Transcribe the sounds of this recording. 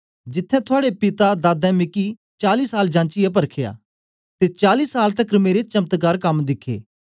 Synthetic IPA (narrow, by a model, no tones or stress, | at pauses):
d͡ʒɪt̪ʰːɛ̃t̪ʰʊaːɽepɪt̪ad̪aːd̪ɛ̃mɪki | t͡ʃaːliːsaːld͡ʒãːnt͡ʃɪjap̬ɐɾkʰeja̰ː | t̪et͡ʃaːliːsaːlt̪ɐkːɾmeːɾet͡ʃɐmt̪kaːɾkɐmd̪ɪkʰːḛː